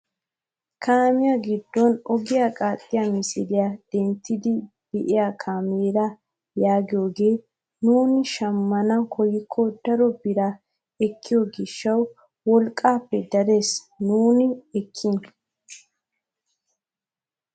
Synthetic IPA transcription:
kʰaːmɪjɐɡɪd̪ːɔnɔɡɪjakʼaːt̪ʼːɪjamɪsɪlɪjad̪̥ɛnt̪ːɪd̪ɪ | b̥ɛʔɪjakʰaːmeːɾɐ | jaːɡɪjo̞ːɡe̞ː | nuːnɪʃɐmːɐnɐkʰɔjːɪkʰːɔd̪̥ɐɾɔbɪɾa | ɛkʰːɪjoɡɪʃːɐw | wɔlkʼːaːpːɛd̪ɐɾe̞ːs | nuːnɪɛkʰːɪn

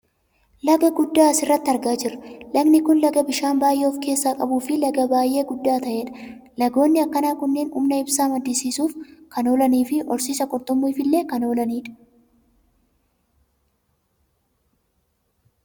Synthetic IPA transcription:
lɐɡɐɡʊd̪ːaːɐsɪrːɐt̪ːɪɐɾɡaːd͡ʒɪrːɐlɐɡnɪkʊnlɐɡɐbɪʃaːnbaːjʔeːɔfke̞ːsːaːkʼɐbuːfɪlɐɡɐbaːjʔe̞ːɡʊd̪ːaːt̪ɐʔeːᶑɐ̥ | lɐɡo̞ːnːɪɐkːɐnaːkʊnːeːnʊ̰mnɐɪbsaːmɐd̪ːisiːsuːfkɐno̞ːlɐniːfɪʔɔɾsiːsɐkʼɔɾt̪ʼɔmːuɪfɪlːe̞ːkɐno̞ːlɐniːᶑɐ̥

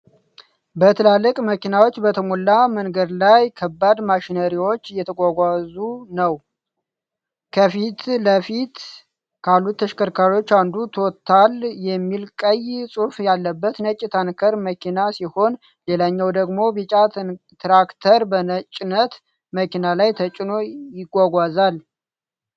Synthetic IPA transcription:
bət̪ʰəlalːəkʼməkinawo̞t͡ʃːbət̪ʰəmolːamənɡəd̪lajkʰəbːad̪maʃinəɾiwo̞t͡ʃːjɛt̪ʰəɡʷaɡʷazunəw | kʰəfit̪ləfit̪ | kʰalːut̪ʰːəʃkəɾkʰaɾio̞t͡ʃːand̪ut̪ʰo̞t̪ʰːaljɛmːilkʼəjsʼufjalːəbːət̪nət͡ʃʼːt̪ʰankʰəɾməkʰinasiho̞n | lelaɲːawd̪əɡmo̞bit͡ʃʼat̪ʰn | t̪ɾakt̪ʰəɾbənət͡ʃʼɪnət̪ | məkinalajt̪ʰət͡ʃʼɪno̞jɪɡʷaɡʷazal

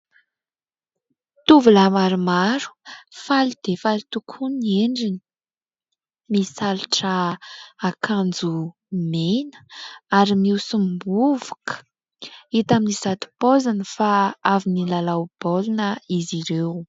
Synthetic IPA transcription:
t̪uvulamaɾumaɾu̥falid̪̥efalit̪ukʰunieɳɖ͡ʐini̥ | misaliʈ͡ʂəakʰand͡zu | menə̥aɾimiusumbuvu̥kʰə̥ | it̪aminizat̪u̥pozanəfaavinilalawb̥olunəiziɾew

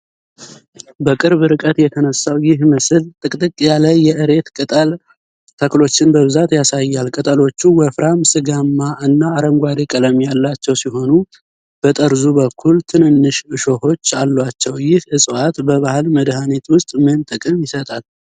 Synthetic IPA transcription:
bəkʼɨɾβɨɾɨkʼət̪jɛt̪ʰənəsːawjɪɦməsɨlt̪ʼɨkʼt̪ʼɨkʼjaləjːɛʔɨɾe̞t̪kʼɨt̪ʼəl | t̪ʰəklo̞t͡ʃːɪnbəβɨzat̪jasajːalkʼɨt̪ʼəlo̞t͡ʃːuwəfɾʔamsɨɡamːaɨnːaːɾəmɡʷad̪ekʼələmjalːat͡ʃːɛwsiɦo̞nu | b̥ət̪ʼəɾzubəkʰːult̪ʰɨnɨnːɨʃɨʃo̞ho̞t͡ʃːalːwat͡ʃːɛwjɪhɨsʼɨwat̪bəβahɨlməd̪hanet̪wʊst̪ʼmɨnt̪ʼɨkʼɨmjɪsət̪ʼal

